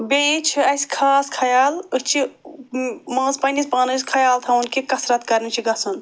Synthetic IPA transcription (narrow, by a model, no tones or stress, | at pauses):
beit͡ʃʰiɐskʰaːskʰɐjaːlɨst͡ʃʰi | mɐ̃ːzpɐnispaːnɨskʰɐjaːlt̪ʰɐunkekɐsɾɐt̪̚kɐɾnit͡ʃʰiɡɐsun